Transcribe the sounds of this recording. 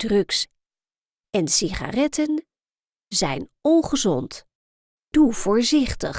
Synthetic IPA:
d̥rɵks | ɛnsiχa̰rɛtən | zɛjnɔnχəzɔnt | d̥uv̥ʊːɹzɪχtəχ

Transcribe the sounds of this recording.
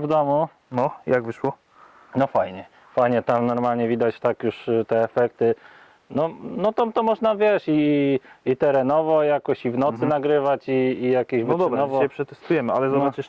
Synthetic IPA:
vd̪ɔmu | nɔjaɡvɘʂwɔ | nɔfajɲɛ | fajɲɛt̪amnɔɾmalɲɛvʲid̪at͡ɕt̪akjuʂt̪ɛːfɛkt̪ɘ | nɔnɔt̪amt̪ɔmɔʐnavʲjɛʂi | it̪ɛɾɛnɔvɔjakɔɕivnɔt̪sɘnaɡɾɘvat͡ɕiːjakʲeɕɔd̪ɔbɾanɔvɔɛpʂɛt̪ɛst̪ujɛmɘalɛzɔbat͡ʂɘʂ

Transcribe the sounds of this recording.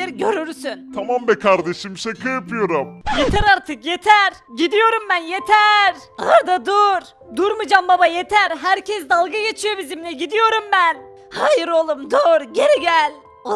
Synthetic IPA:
eɾɟø̞ɾyɾsynt̪ʰamambɛkʰaɾd̪eʃimsekʰajapʰɯjo̞ɾamjet̪ʰæɾaɾt̪ʰɯkjet̪ʰæɾɟid̪ijo̞ɾumbænjet̪ʰæɾ̥aɾd̪ad̪uɾ | d̪uɾmɯd͡ʒambabajet̪ʰæɾɦæɾcʰɛsd̪alˠɡajet͡ʃʰijo̞bizimlʲɛɟid̪ijo̞ɾumbæn | haːjiɾo̞lˠumd̪uɾɟe̞ɾiɟælʲ | o

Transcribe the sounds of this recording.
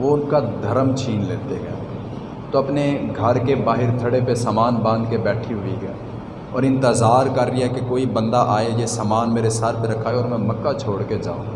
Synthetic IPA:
ʋoʊnkad̪ʱɐɾəmt͡ʃʰiːnleːt̪eɡɐe | t̪oɐpneɡʱɐɾkebaːɦɪɾt̪ʰɐɽepesaːmaːnbãːnd̪kebɛːʈʰiɦʊiɡɐe | ɔːɾɪ̃nt̪ɪzaːɾkɐɾːiɦɛkekoːibə̃nd̪aʔaːejesaːmaːnmeːɾesaɾpeɾɐkʰːaːeɔːɾmɛ̃mɐkːat͡ʃʰoːɽked͡ʒa̰ːṵ̃ː

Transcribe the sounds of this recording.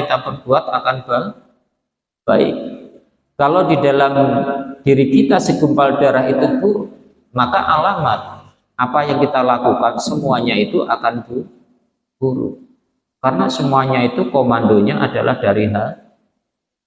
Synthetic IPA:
it̪abərbuat̪̚akanbal | b̥aɪ̰k̚ | kːalowdidalamd̥iɾikit̪asəɡumpaldaɾaɦit̪ut̪u | makaʔalamat̪̚ | ʔapajaŋkit̪alakukansəmuaɲait̪uʔakanbu | b̥uɾṵ | kaɾənasəmuaɲait̪ukomandoɲaʔadalʔahdaɾiɦar

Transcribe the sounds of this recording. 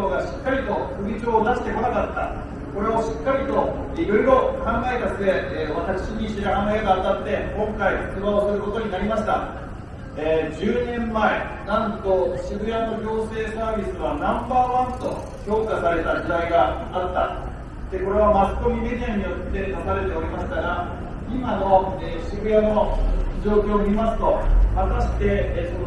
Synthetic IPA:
oɡaɕi̥kːaɾʲit̪o̞kɯ̟ɡʲid͡ʑo̞ːd̪aɕi̥t̪e̞ko̞nakat̪ːa̰ | ko̞ɾe̞oɕi̥kːaɾʲit̪o̞ | iɾo̞iɾo̞kãŋɡae̞t̪asɨd̪e̞β̞at̪akɯ̥ɕiɲ̟iɕeɾɯɦanaeɡaːt̪at̪ːe̞kõ̞ŋkaihɯ̥t͡sɨbaosɨɾɯko̞t̪o̞ɲ̟inaɾʲimaɕi̥t̪a̰ | eːd͡ʑɨːnẽ̞mːae | nãnt̪o̞ɕiɡɯ̟jano̞ɡʲo̞ːse̞ːsaːbʲisɨβanãmbaːβãnt̪o̞̰ | çʲo̞ːkasaɾe̞t̪ad͡ʑid̪aiɡa | at̪ːa̰ | d̪̥e̞ko̞ɾe̞amasɨ̥k̪o̞mʲimed̪ʲiaɲ̟ijo̞t̪ːe̞nasaɾe̞t̪e̞o̞ɾʲimaɕi̥t̪aɡa | imano̞eːɕiɡɯ̟jano̞d͡ʑo̞ːkʲo̞ːmʲimasɨ̥t̪o̞mat̪aɕi̥t̪e̞so

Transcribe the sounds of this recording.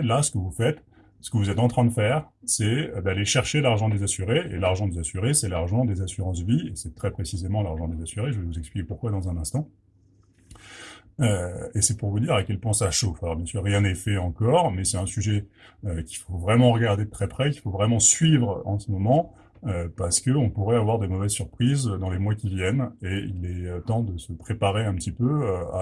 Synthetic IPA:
lasə̥kəvufɛt̪ | sə̥kəvuzɛt̪ɑ̃t̪χɛ̃d̪əfɛːʁsɛød̪aleʃɛʁʃelaʁʒɑ̃d̪ezasyʁeḛlaʁʒɑ̃d̪ezasyʁesɛlaʁʒɑ̃d̪ezasyʁɑ̃sviesɛt̪χɛpχesizemɑ̃laʁʒɑ̃d̪ezasyʁeʒəvɛvuzɛksplikʲepuʁkwad̪ɑ̃zɛ̃nɛ̃st̪ɑ̃ | øesɛpuʁvud̪iʁakʲɛlpwɛ̃saʃofalɔʁbjɛ̃syʁːjɛ̃nɛfɛɑ̃kɔʁmɛsɛt̪ɛ̃syʒɛøkʲi̥fovʁɛmɑ̃ʁəɡaʁd̪ed̪ət̪χɛpχɛk̬ʲi̥fovʁɛmɑ̃sɥivʁɑ̃səmɔmɑ̃ | øpaʁsə̥kəɔ̃puʁɛavwaʁd̪emɔvɛzsyʁpχizd̪ɑ̃lemwakʲivjɛneilɛøt̪ɑ̃d̪əsəpχepaʁeɛ̃pət̪ipøøa̰

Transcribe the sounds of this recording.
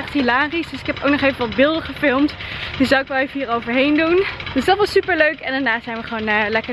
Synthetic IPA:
ɛχthilaːrisdɵsɪkɦɛpo̰wk̚nɔχejvəʋɑtbɪːlˠdəχəfɪlˠmtd̥əszawɪkʋɛlˠejvəɦiːrowvəɹɦejndund̥øsdɑtʋɑsypəɹløɥkɛndaːɹnaːzɛjnʋəχəʋownəːlɛkə

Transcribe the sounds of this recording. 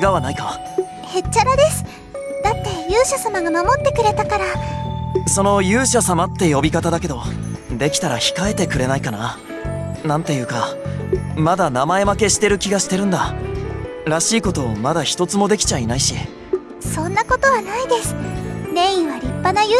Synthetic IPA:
ɡaβanaika | he̞t͡ɕt͡ɕːaɾad̪e̞sɨ̥ | d̪̥at̪ːe̞jɯːɕasamaɡamamo̞t̪ːe̞kɯ̟ɾe̞t̪akaɾa | so̞no̞jɯ̟ːɕasamat̪ːe̞jo̞bʲikat̪ad̪ake̞d̪o̞ | d̪e̞kʲi̥t̪aɾaçi̥kae̞t̪e̞kɯ̟ɾe̞naikana | nãnt̪e̞jɯ̟ːka | mad̪anamae̞make̞ɕi̥t̪e̞ɾɯ̟kʲiɡaɕi̥t̪e̞ɾɯ̟̃nd̪a | ɾaɕiːko̞t̪o̞ːmad̪açi̥t̪o̞t͡sɨmo̞d̪e̞kʲi̥t͡ɕainaiɕḭ | sõ̞nːako̞t̪o̞βanaid̪e̞sɨ̥nẽ̞ːĩɰ̃βaɾʲipːanaj

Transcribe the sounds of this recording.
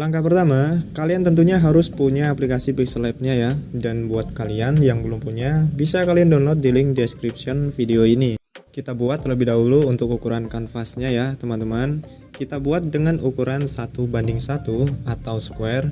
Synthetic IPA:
laŋkapərt̪amakaliant̪ənt̪uɲaɦaɾʊspuɲaːplikasipislɛp̚ɲajadanbuat̪̚kalianjaŋbəlʊmpuɲabisakaliandonlɔt̪̚dilɪŋdɛskɾipsiɔnfideoinikit̪abuat̪ləbɪhdaɦuluːnt̪ʊk̚ukuɾankanfasɲajat̪əmant̪əman | kit̪abuat̪̚dəŋanukuɾansat̪ubandɪŋsat̪uat̪awskuɛr

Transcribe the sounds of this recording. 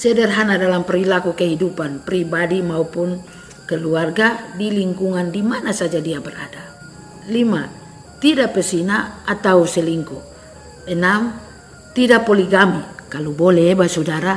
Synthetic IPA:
sɛdɛrɦanadalampɛɾilakukɛɦidupanpɾibadimaupun | kɛluarɡadiliŋkuŋandimanasad͡ʒadiabɛra̰da | lima | t̪idapɛsinaːt̪ausɛliŋku | ɛnam | t̪idapɔliɡamikalubolɛːbasudaɾa

